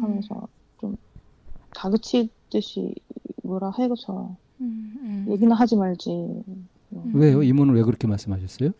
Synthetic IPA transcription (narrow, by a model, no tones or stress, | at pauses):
hamjʌnsʰʌ̰ | t͡ɕom | kaɡɯt͡ɕʰit͈ɯɕʰḭmʌɾaheɡot͡ɕʰana̰jo | je̞ɡinɯnɦad͡ʑimaɭd͡ʑi | owe̞joimunɯnwe̞ɡɯɾʌkʰemaɭs͈ɯmɦaɕʰʌs͈ʌjo